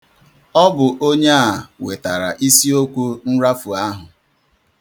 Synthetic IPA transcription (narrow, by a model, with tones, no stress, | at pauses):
ɔ˦bʊ˨ʔo˦ɲe˦a˦˨we˨ta˨ɾa̰˨ʔi˦si˦o˦kʷu˦n̩˦ɾa˦fu˨a˦ɦʊ˨